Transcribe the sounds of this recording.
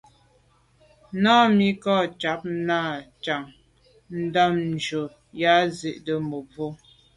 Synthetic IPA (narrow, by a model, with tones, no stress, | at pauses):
nɔː˦mi˦kɔ˦˨t͡ʃa˨˦p̚na˦˨t͡ʃa˨ŋ | n̩˦da˦mn˨d͡ʒo˨ | ja˦zi˨ʔdə˨mo˨vo˦